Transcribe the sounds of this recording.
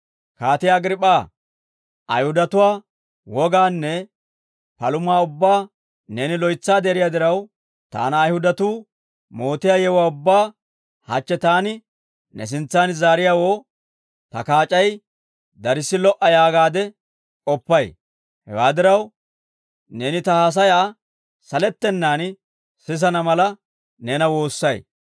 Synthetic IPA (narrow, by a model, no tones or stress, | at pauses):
kaːt̪ɪjaːɡɾɪpʼːaː | ʔɐ̰jhʊd̪ɐt̪ʊwaː | wɔɡaːnːɛ | pɐlʊmaːʊbːaː | neːnɪlɔjt͡sːaːd̪eːɾɪjaːd̪ɪɾɐw | t̪a̰ːnɐːjhʊd̪ɐt̪uː | mo̞ːt̪ɪjaːjɛwaːʊbːaː | hɐ̰t͡ʃːɛt̪aːnɪ | nɛ̰s̬ɪnt͡sːaːnzaːɾɪjaːwo̞ː | t̪ɐkaːt͡ʃʼɐj | d̪ɐɾɪsːɪlɔʔɐjaːɡaːd̪ɛ | ʔʼɔpːɐj | hɛ̰wa̰ːd̪ɪɾɐw | ne̞ːnɪt̪ɐhaːs̬ɐjaː | sɐlɛt̪ːɛnːaːn | sɪz̬ɐnɐmɐlɐ | nɛnɐwo̞ːsːɐj